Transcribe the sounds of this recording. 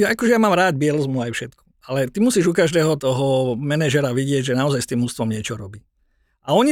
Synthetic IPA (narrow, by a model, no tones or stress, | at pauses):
jaakɔʒɛjamaːmɾaːdbɪɛlɔzmuajfʃɛt̪kɔ̥ | alɛt̪imusiːʒukaʒd̪ɛːɦɔt̪ɔɦɔmɛnɛʒɛɾaʋiɟɪɛɟʒɛnaɔzajst̪iːmɦust̪ʋɔmɲɪɛt͡ʃɔɾɔbi | ʔaɔɲi